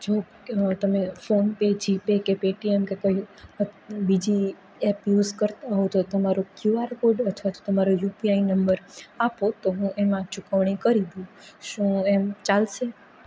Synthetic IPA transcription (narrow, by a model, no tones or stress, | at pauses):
d͡ʒo | t̪əmefonped͡ʒipekepeʈiemkekoiəbid͡ʒi | ɛpjuzkəɾt̪aɦot̪ot̪əmaɾokjuaɾkoɖət̪ʰʋat̪o̥t̪əmaɾojupiainəmbəɾapot̪oɦũʔemãt͡ʃukəʋɳ̃ikəɾid̪ũʃũemt͡ʃalʃe